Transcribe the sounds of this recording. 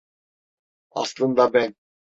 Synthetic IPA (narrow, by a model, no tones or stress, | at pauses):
ɑ̰slˠɤ̆nd̪ɑbæn